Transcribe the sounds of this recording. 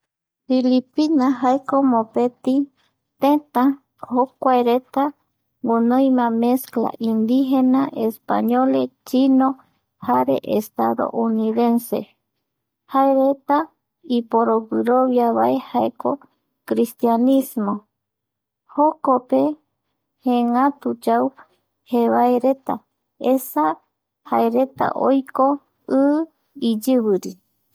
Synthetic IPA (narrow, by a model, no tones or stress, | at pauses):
filipinaɦaekomopet̪i | t̪ẽt̪ã | hokʷaeɾet̪a | ŋunojmãmeskla̰ʔind̪iɦenaʔespa̰ɲolet͡ʃino | haɾḛʔest̪aðo̰ʔuniðensḛ | haeɾet̪a | ipoɾoβɨɾoβjaβae̞haeko | kɾist̪janismo | hokope̞ | hẽŋãt̪ud͡ʒau | heβaeɾe̞t̪a̰ | esa | haeɾe̞t̪a̰ʔojko | ɨ | id͡ʒɨβɨɾi